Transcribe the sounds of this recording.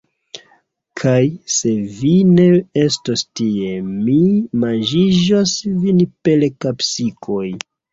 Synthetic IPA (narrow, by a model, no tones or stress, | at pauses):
kʰajse̞vine̞e̞stostie̞mimand͡ʒiʒosvinpe̞lkapsikʰo̞j